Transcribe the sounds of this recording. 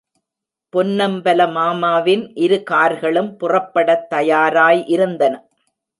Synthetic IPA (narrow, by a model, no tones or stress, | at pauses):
pɔnːɐmbɐlɐmaːmaːʋɪnʔɪɾɯkaːɾɣɐɭɯmpʊrɐpːɐɽɐt̪ːɐjaːɾaːjʔɪɾɯnd̪ɐnɐ